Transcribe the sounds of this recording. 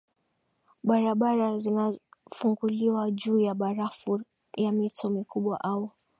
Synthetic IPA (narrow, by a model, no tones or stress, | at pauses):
ɓaɾaɓaɾazinafuŋɡuliwaʄuːjaɓaɾafu | jamitʰɔmikuɓwaʔawɔ